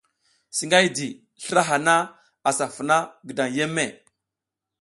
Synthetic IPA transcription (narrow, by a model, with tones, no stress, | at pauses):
si˨ŋɡa˦jdi˨ | ɬə˦ɾa˦ɦa˨na˦ | a˨sa˨fə˨na˦ɡə˨da˨ŋje˦mːe˨